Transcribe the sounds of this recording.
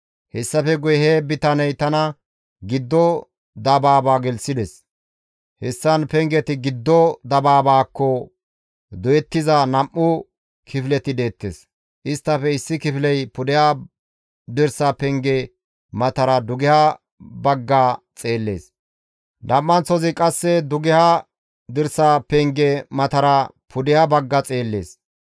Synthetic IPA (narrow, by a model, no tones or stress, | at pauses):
hɛsːɐfɛɡʊjheːbɪt̪ɐnɐjt̪ɐnɐ | ɡɪd̪ːɔ | d̪ɐbaːbaːɡɛlsɪd̪ɛs | hɛsːɐnpɛŋɡɛt̪ɪɡɪd̪ːɔd̪ɐbaːbaːkːɔ | d̪ʊjɛt̪ːɪzanɐmːʊ | kʰɪfɪlɛt̪ɪd̪e̞ːt̪ːḛːs | ʔɪst̪ːɐfɛɪsːɪkɪflɛjpʊd̪ɪja | d̪ɪɾsɐpɛŋɡɛ | mɐt̪ɐɾɐd̪ʊɡɪha | bɐɡːat͡sʼe̞ːlːḛːs | nɐmːɐnt͡sɔzɪkʼɐsːɛd̪ʊɡɪha | d̪ɪɾsɐpɛŋɡɛmɐt̪ɐɾɐ | pʰʊd̪ɪhabɐɡːɐt͡sʼe̞ːlːe̞̰ːs